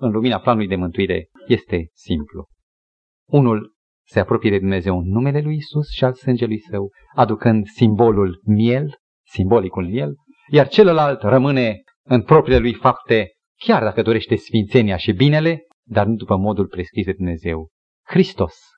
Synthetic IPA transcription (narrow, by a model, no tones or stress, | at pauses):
ɨnluminaplanulujd̪e̞mɨnt̪uiɾe̞̰je̞st̪e̞simplu | unul | se̞apɾo̞pije̞d̪e̞d̪umne̞ze̞wɨnːume̞le̞lujisusʃialsɨnd͡ʒe̞lujsəw | ad̪ukɨnd̪simbo̞lulmje̞l | simbo̞likulmje̞l | jart͡ʃe̞ləlalt̪rəmɨne̞ | ɨnpɾo̞pɾile̞lujfapt̪e̞ | kʲard̪akəd̪o̞ɾe̞ʃt̪e̞sfint̪se̞neaʃibine̞le̞ | d̪arnud̪upəmo̞d̪ulpɾe̞skɾisd̪e̞d̪umne̞ze̞w | kɾist̪o̞s